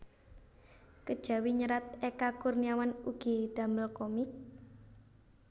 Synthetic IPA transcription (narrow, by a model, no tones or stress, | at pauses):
kəd̥ʒ̥ä̤wiɲəɾat̪̚ekakʊrniawanuɡ̥id̪̥a̤məlkɔmɪk̚